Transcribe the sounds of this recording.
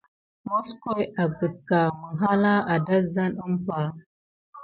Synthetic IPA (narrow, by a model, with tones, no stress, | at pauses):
mo˦sko˦ja˨ɡə˨t̚ka˨mə˨ɦa˦la˦a˨da˦za˦nə˦mpa˨